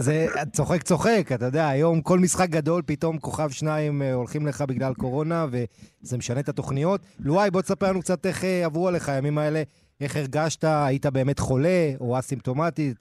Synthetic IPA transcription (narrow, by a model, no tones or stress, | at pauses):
zet͡so̞χekt͡so̞χe̞kat̪ajod̪e̞aːjo̞mko̞lmisχak̚ɡad̪o̞lpito̞mko̞χavʃnaimo̞lχimle̞χabiɡlalko̞ʁo̞nave̞zemeʃane̞t̪at̪o̞χnijo̞t̪luajbo̞t̪esapeʁlanuk̚t͡sat̪eχeavʁualeχajamimae̞le̞ | eχeʁɡaʃtaːjit̪abe̞ːme̞t̪χo̞le̞o̞asimt̪o̞matit